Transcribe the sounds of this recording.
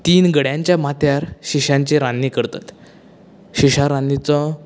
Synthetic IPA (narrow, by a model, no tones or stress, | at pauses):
t̪iːnɡəɽjãɲt͡ɕjamat̪jaɾɕiɕãɲt͡ɕeɾanːikəɾt̪a̰t̪ | ɕiɕaɾanːit͡sɔ